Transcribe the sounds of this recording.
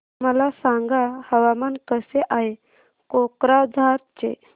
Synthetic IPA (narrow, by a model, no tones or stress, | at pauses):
məlasaŋɡahəʋamankəseʔaɦe | kokɾad͡zʱaɾt͡ɕḛ